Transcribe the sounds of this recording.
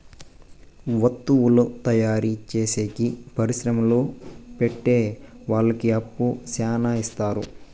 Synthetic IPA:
ʋɐt̪ːuwulut̪ɐjaːɾit͡ʃeːseːkipɐɾiʃɾɐmɐloːpeʈːe̞ːʋaːɭːɐkiɐpːusaːnaːist̪aːɾu

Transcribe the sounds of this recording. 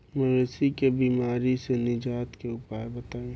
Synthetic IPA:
mɛ̃ʋesikebiːmaːɾisenɪd͡ʒaːt̪keʊpaːebɐt̪aːũː

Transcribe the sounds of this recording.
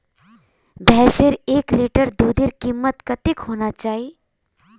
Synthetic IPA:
bʱɛːseɾeːkliːʈəɾd̪uːd̪iɾkimːət̪kɐt̪ɪkɦoːnat͡ʃaːɦi

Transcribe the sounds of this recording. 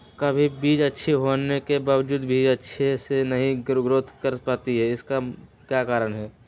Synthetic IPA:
kəbʱibiːd͡ʒətːʃʰeɦonekebaːwd͡ʒuːd̪bʱiːd͡ʒətːʃʰesenɐɦĩɡɾɡɾot̪ʰkəɾpaːt̪iɦɛɪska | kjakaːɾənɦɛ

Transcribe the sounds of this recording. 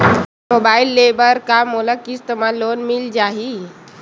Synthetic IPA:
mobaːilːebəɾkamoləkist̪əmaloːnmild͡ʒaːɦi

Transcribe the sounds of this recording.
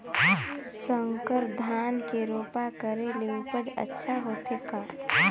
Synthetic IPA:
səŋkəɾd̪ʱaːnkeɾoːpakəɾeleupəd͡ʒə̰tːʃʰaɦoːt̪ʰeka

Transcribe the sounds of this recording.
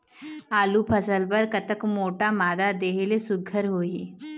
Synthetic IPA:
aːlupʰəsəlpəɾkət̪əkmoːʈamaːd̪ad̪eːɦelesʊɡʱəɾɦoːiː

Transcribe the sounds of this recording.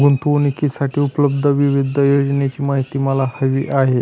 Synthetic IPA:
ɡunt̪onikisaʈʰiːupləb̚d̪ʱəʋiʋid̪ʱəjod͡ʑnet͡ɕiːmaɦit̪iːməlahəʋḭːʔaɦe

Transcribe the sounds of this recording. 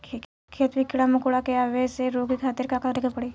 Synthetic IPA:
kʰet̪ʋikɪɽamʊkuɽakeaʋeseɾoːɡikʰaːt̪ɪɾkakaɾekʰəpɐɽiː

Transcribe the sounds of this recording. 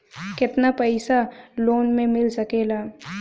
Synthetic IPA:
kɪt̪napɛɪsaloːnmẽmɪlsɐkeːlaː

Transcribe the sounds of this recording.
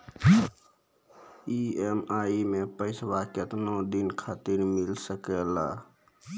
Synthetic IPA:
iemaimẽpəɪsbakət̪nod̪inkʰaːt̪iɾmilsəkɛla

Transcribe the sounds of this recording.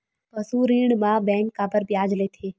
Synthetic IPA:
pəsuɾiːɳmãːbɛ̃ːŋkːabəɾbjaːd͡ʒleːt̪ʰeː

